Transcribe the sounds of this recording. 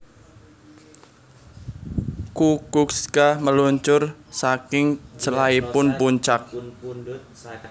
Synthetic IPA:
kukukskaməluɲt͡ʃʊrsakɪŋt͡ʃəlaipʊnpuɲt͡ʃak̚

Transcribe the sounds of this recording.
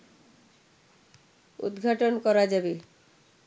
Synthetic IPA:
ṵd̪ɡʱaʈonkɔɾad͡ʑabe

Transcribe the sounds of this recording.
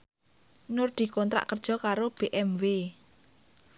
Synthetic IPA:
nʊrd̪̥i̤kɔnt̪ɾa̰ʔkərd̥ʒ̥ɔ̤kaɾob̥eʔɛmwe

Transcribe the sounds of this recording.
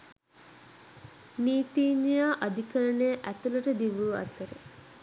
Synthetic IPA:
niːt̪iːnjaːʔɐd̪ʱikɐɾɐɳeʔæt̪ulɐʈəd̪iʋuɐ̰t̪əɾə

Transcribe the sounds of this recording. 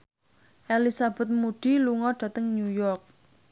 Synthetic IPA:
ʔelisab̥ɛ̤t̪̚muɖ̥i̤luŋɔɖ̥ä̤t̪əŋnujɔrk̚

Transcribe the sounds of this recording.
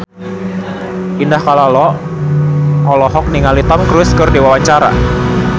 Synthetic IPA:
ʔindahkalalɔ | ʔɔlɔɦɔk̚niŋalit̪ɔmkɾʊskɨrdiwawaɲt͡ʃaɾa̰

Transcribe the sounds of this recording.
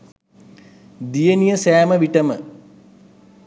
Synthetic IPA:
d̪ijɐnijəsæːmɐʋiʈɐmə

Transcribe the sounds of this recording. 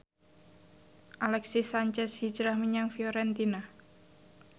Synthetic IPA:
ʔalɛksisaɲt͡ʃɛshi̥d͡ʒɾahmiɲaŋfioɾɛnt̪ina

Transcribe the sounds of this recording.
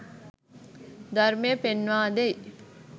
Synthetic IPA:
d̪ɐɾmejəpenʋaːd̪ej

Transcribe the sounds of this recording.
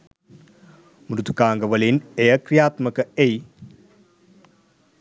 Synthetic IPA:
mɾut̪u̥kaːŋɡɐʋɐlineɐkrijaːt̪mɐkɐej

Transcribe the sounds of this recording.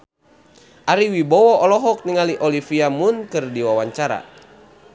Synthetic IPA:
ʔaɾiwibɔwɔʔɔlɔɦɔk̚niŋaliʔɔlifiamunkɨrdiwawaɲt͡ʃaɾa̰

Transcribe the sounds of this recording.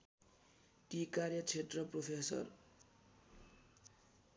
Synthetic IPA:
kikarjʌt͡sʰetrʌpropʰesʌ̰r

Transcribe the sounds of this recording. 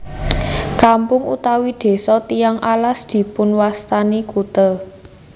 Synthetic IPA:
kampʊŋṵt̪awid̪̥e̤sɔt̪ijaŋʔalasd̪̥i̤pʊnwast̪anikut̪ə

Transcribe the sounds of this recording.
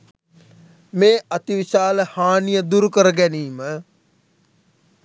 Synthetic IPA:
meːʔɐt̪iʋiʃaːləhaːnijəd̪uɾukəɾəɡæniːmə

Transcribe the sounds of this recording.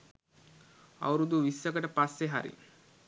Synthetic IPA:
a̰wɾud̪uʋisːəkəʈəpasːeɦa̰ɾḭ

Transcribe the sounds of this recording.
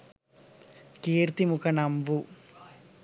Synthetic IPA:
keːɾt̪imukʰɐnɐmbu

